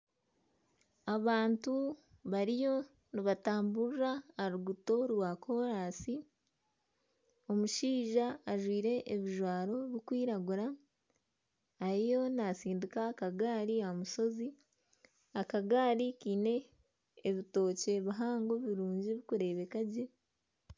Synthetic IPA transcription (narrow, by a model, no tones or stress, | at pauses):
aβaːntu | βaɾijo̞ | niβataːmbuɾaːɾuɡuto̞ɾwakʰo̞ɾaːsi | o̞muʃiːʒaːʒwiːɾe̞ʔːβiʒwaːɾo̞βikwiːɾaɡuɾa | ɾijo̞nasiːndikaːkaɡaːɾiamuso̞zi | akaɡaːɾikiːne̞ː | βito̞ːce̞βaɦaːŋɡo̞βiɾuːɲɟiβikuɾe̞ːβe̞kaɟe̞